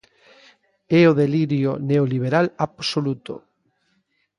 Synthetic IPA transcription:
ɛoðeliɾjoneoliβ̞eɾalapsolut̪o̰

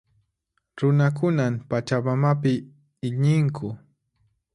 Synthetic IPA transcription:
ɾʊnak̬ʊnampat͡ʃamamapɪ | ɪɲɪŋkʰʊ

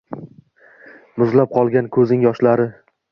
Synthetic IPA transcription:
mʊzlap̚qʰɒlˠɡʲankʰɵznɪŋjɒʃlaɾɪ

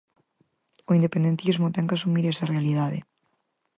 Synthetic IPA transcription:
oind̪epend̪ent̪izmot̪ɛŋkasumiɾɛsɐrealiðaðɪ̰

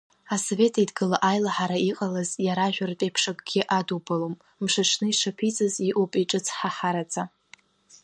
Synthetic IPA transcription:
asove̞tʰaidɡɨlaʔajlaħaɾaiqʼalazjaɾaʒᶣartʼejpʰʂakʼɡ̥ʲɪʔadubalom | mʂaʂʰnɨiʂapʰit͡sʼɨziʔupʼiʈ͡ʂʼɨt͡sʰħaħaɾat͡sʰʼa

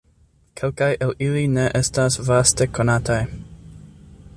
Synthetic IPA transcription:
kʰe̞lkajʔeliline̞ʔe̞stasvaste̞ko̞nataj

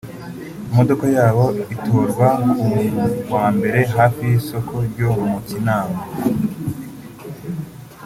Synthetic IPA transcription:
imodo̞kojaːβo̞itʰoːɾɡwaumuwaːmbe̞ɾe̞ɦaːfijiso̞kʰo̞ɾɟomucinaːma

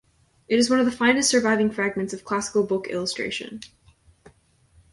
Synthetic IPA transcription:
ʔɨɾɨzwʌ̃nʌvðəfãɪ̃nɨstsə˞vaɪvɪ̃ŋfɹæɡ̚mɨ̃ntsʌv̥kʰl̥æsə̥kl̩ˠbʊkɪ̰lˠəstɹ̥ḛɪʃɨ̰̃n

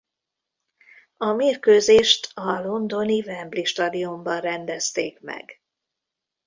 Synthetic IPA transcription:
ɒmeːrkøːzeːʃt̪ʰɒlo̞nd̪o̞nivɛmbliʃt̪ɒd̪iumbɒnrɛnd̪ɛst̪eːkmɛ̰ɡ

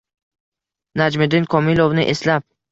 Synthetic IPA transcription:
nad͡ʒmɪd̪ɪnkʰɒmilˠovnɪʔeslap̚

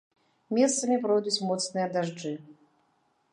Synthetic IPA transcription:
mʲɛst̪sɐmʲip̬ɾɔjd̪ut͡sʲmɔt̪snɨjɐd̪aʐd͡ʐɨ

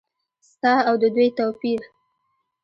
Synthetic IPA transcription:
st̪ɑawd̪əd̪ujt̪opiɾ

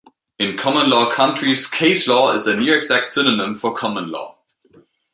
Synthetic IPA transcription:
ɪ̃nkʰɒmə̃nlɔːkʰʌ̃ntɹ̥iz̥kʰeɪslɔːɪ̰zənjʉɛɡz̥æk̚tsɪnənə̃mfəkʰɒmə̃nlɔ̰ː

